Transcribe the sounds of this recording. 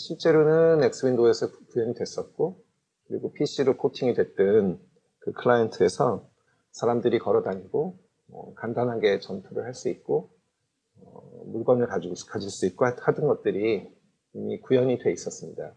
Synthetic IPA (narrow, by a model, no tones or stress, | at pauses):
ɕʰiɭt͡ɕ͈e̞ɾonɯnːe̞k̚s͈ɯwindoe̞sʰʌkujʌɲidwe̞s͈ʌt̚k͈o | kɯɾiɡopʰiɕ͈iɾokʰotʰiŋidwe̞t͈ɯn | kɯkʰɯɭajentʰɯe̞sʰʌ | sʰaɾamdɯɾikʌɾʌdaɲiɡo | ʌ̰kandanɦaɡe̞t͡ɕʌntʰuɾɯɭhaɭs͈uit̚k͈o | ʌmuɭɡʌnɯɭkakad͡ʑiɭs͈uit̚k͈ohadɯnɡʌt̚t͈ɯɾi | imikujʌɲidwe̞is͈ʌs͈ɯmɲida